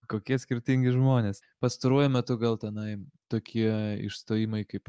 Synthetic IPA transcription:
koːkʲiɛsʲkʲɪɾʲt̪ʲɪŋʲɡʲɪʒmoːnʲeːs | pɐst̪ɐɾuɔjʊmʲɛt̪ʊɡɐlˠt̪ʲɛnɐɪt̪oːkʲiɛɪ̰ʃst̪oːjimɐɪkɐɪp

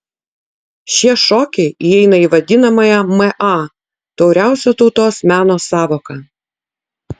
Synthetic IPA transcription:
ʃʲiɛʃɔːkʲɛɪʔiɛɪnɐiːʋɐd̪ʲɪnɐmɐjɛmɛʔɑ | t̪ɒʊɾʲæˑʊsʲɛt̪ɔʊt̪oːsmʲæːnoːsɑːʋoːkɐ

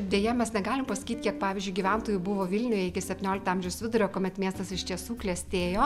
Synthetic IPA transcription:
d̪ʲeːjɛmʲɛsnʲɛɡɑːlʲɪmpɐsɐ̥kʲiːt̪ʲkʲiɛkpɑːʋʲɪzʲd͡ʒʲʊɪɡʲiʋʲɛnt̪oːjʊbʊʋoːʋʲɪlʲnʲʊjɛɪkʲɪsʲɛpʲt̪ʲɪnʲoːlʲɪkt̪ɑːmʲʒʲɛʊsʋʲɪd̪ʊɾʲoːkoːmʲɛt̪mʲiɛst̪ɐsɪʃt̪ʲiɛsuːklʲɛsʲt̪ʲeːjoː

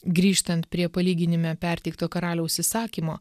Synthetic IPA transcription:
ɡɾʲiːʃt̪ɐnt̪̚pʲɾʲiɛpɐlʲiːɡʲɪnʲɪmʲæpʲæˑɾʲt̪ʲɛɪk̚t̪oːkɐɾɑːlʲoʊʊʃʲsʲɪsɑːkʲiːmo̰ː

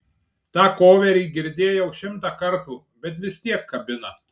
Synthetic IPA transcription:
t̪ɑːkoːʋʲɛɾʲiːɡʲɪɾʲd̪ʲeːjɛʊʃʲɪmt̪ɑkɐɾt̪u | bʲɛt̪̬ʋʲɪst̪ʲiɛkːɐbʲɪnɐ

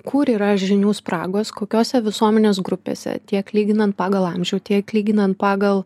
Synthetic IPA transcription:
kʊɾiːɾɐʒʲɪnʲuːspɾɑ̰ːɡoːskoːkʲoːsʲɛʋʲɪsuɔmʲɛnʲeːsɡɾʊpʲḛːsʲɛ̰t̪ʲiɛklʲiːɡʲɪnɐnt̪̚pɑːɡɐlˠɐmʲʒʲɛʊt̪ʲiɛklʲiːɡʲɪnɐnt̪̚pɑːɡɐlˠ

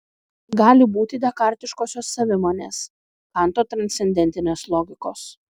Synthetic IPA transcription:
ɡɑːlʲɪbuːt̪ʲɪd̪ʲɛkɐˑɾʲt̪ʲɪʃkoːsʲoːsːɐʋʲɪmoːnʲḛːs | kɑˑnt̪oːt̪ɾɐnʲt̪ʲɛnʲd̪ʲɛnʲt̪ʲɪnʲeːslˠɔːɡʲɪkoːs

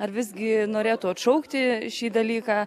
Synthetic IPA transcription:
ɐrʋʲɪzɡʲɪnoːɾʲeːt̪ʊɐt̪ʃɐʊkt̪ʲɪʃʲiːd̪ɐlʲiːkɑː

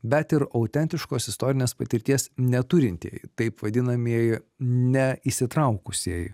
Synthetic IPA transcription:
bʲɛt̪ɪɾɐʊt̪ʲɛnʲt̪ʲɪʃkoːsɪst̪oːɾʲɪnʲeːspɐt̪ʲɪɾʲt̪ʲiɛsnʲɛt̪ʊɾʲɪnʲt̪ʲiɛjt̪ɐɪpʋɐd̪ʲɪnɐmʲiɛj | nʲɛisʲɪt̪ɾɐʊkʊsʲiɛj

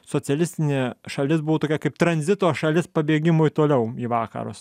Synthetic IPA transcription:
soːt͡s̪ʲɛlʲɪsʲt̪ʲɪnʲeːʃɐlʲɪsbʊʋoːt̪oːkʲɛkɐɪp̚t̪ɾɐnʲzʲɪt̪oːʃɐlʲɪspɐbʲeːɡʲɪmʊɪt̪oːlʲɛʊiːʋɑːkɐ̰ɾʊ̰s

